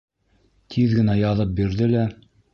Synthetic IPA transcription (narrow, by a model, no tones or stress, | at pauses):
t̪ʰiðɡɘ̆næjɑðɤp̚biɾðɘlæ